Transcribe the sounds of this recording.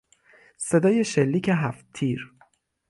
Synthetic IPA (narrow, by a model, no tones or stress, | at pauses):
se̞d̪ɒːje̞ʃelːiːcʰeɦæft̪t̪ʰːiːɾ